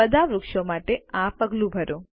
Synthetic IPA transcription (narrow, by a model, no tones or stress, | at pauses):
əd̪ʱaʋɾʊkʃomaʈeãpəɡlũbʱəɾõ